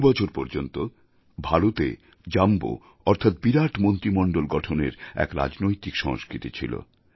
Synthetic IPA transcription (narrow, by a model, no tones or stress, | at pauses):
bɔt͡ɕʰoɾpɔɾd͡ʑont̪o | bʱaɾot̪ḛ | d͡ʑambo̰ | ɔɾt̪ʰat̪̚biɾaʈʰmont̪ɾimɔɳɖolɡɔʈʰonḛɾɛ̰kɾa̰d͡ʑnojt̪ikʃɔŋskɾit̪it͡ɕʰilo̰